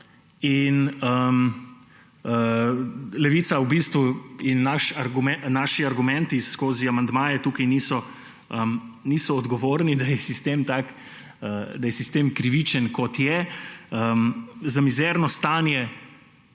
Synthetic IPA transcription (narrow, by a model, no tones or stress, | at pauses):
inəm | ə | lɛʋiːt̪sawbist̪ʋuinːaʃaɾɡuɛnaʃiaɾɡumɛ̃nt̪iskoːziamand̪maːjɛt̪uːkɐjnisɔ | əmnisɔːd̪ɡɔʋoːɾnid̪ajɛsist̪emt̪ak | əd̪ajɛsist̪eːmkɾiʋit͡ʃənkɔt̪jɛəmzamizɛɾnɔst̪aːnjɛ